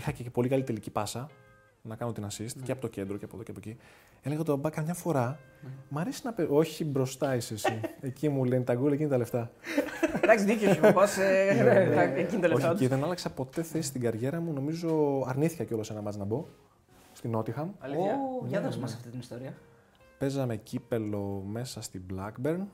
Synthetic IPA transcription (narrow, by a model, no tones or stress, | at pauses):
ixɐcepo̞likɐlit̪e̞licipɐsɐ | nɐkɐno̞t̪inɐsist̪cceɐpo̞t̪oce̞nd̪ɾoceɐpo̞ðoceɐpoci | e̞leɣɐot̪ibɐbɐkɐmɲɐfo̞ɾɐ | mɐɾesinɐpeoçibɾo̞st̪ɐisesiecimulenit̪ɐɡulecinit̪ɐle̞ft̪ɐ | d̪ɐksiðicosupɐse | einit̪ɐloçiðenɐlɐksɐpo̞t̪e̞θesi̥st̪iɡɐɾʝe̞ɾɐmuno̞mizo̞ɐɾniθi̥kɐceo̞lo̞se̞nɐmɐznɐbo̞ | st̪ino̞t̪ixɐmlɐðsmɐsɐft̪it̪inist̪oɾiɐ | pe̞zɐme̞cipe̞lo̞me̞sɐst̪iblɐkbe̞ɾn